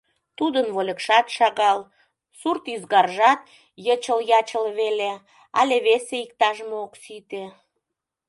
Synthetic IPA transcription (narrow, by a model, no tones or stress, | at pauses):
t̪ud̪ənβolʲəkʃɑt̪ʃɑɣɑl | surt̪yzɣɑrʒɑt̪̚ | jət͡ɕəljɑt͡ɕəlβele | ɑ̰lʲeβeseik̚t̪ɑʒmooksit̪e